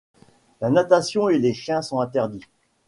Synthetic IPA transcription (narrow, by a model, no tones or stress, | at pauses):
lanat̪asjɔ̃eleʃjɛ̃sɔ̃ɛ̃t̪ɛʁd̪i